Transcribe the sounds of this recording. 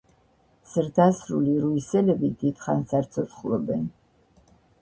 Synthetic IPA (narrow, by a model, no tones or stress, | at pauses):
z̥ɾd̪ʰasɾuliɾuisɛlɛbid̪it̪ʰχansaɾt̪sʰɔt̪sχlˠɔbɛn